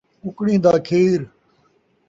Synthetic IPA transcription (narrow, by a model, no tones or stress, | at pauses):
ʊkɽĩːd̪aːkʰeːɾ